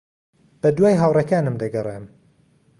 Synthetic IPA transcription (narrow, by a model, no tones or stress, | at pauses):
b̥ɐd̪waːjɦawrekaːnɨmd̪ɐɡɐrˤeːm